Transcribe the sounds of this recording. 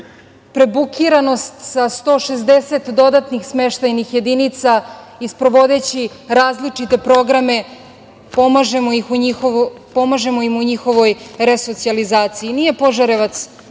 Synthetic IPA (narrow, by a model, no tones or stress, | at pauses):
pɾe̞bukʰiɾano̞st̪sast̪o̞ːʃezd̪eset̪d̪o̞d̪at̪nixsmeʃt̪ajnixje̞d̪init̪sa | ispɾo̞ʋo̞d̪e̞t͡ɕi | ɾaːzlit͡ʂit̪e̞pɾo̞ɡɾame̞ | pomaʒemoixuɲixo | po̞maʒe̞moimuɲixo̞ʋo̞jɾeso̞t̪sializaːt̪sijinije̞poʒaɾeʋat̪s